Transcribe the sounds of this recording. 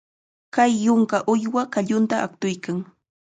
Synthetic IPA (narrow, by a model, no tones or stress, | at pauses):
kajːʊŋkaʔʊjwakaʎʊnt̪aʔak̚t̪ʊjkaŋ